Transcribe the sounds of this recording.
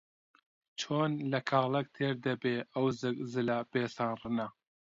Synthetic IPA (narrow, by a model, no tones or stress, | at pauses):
t͡ʃʰoːnlɐkʰɑːlɐk̚t̪ʰeːɾd̪ɐbeːɐwzɨzɨlɐb̥eːsaːnrɨnɐ